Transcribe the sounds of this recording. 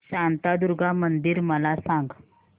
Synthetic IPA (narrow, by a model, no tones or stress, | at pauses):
ɕant̪ad̪uɾɡʱamənd̪iːɾməlasaŋɡ